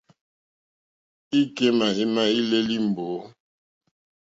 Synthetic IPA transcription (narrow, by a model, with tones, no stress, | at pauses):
i˦ke˦na˨ɦi˦na˦i˦le˦li˦m˨bo˨˦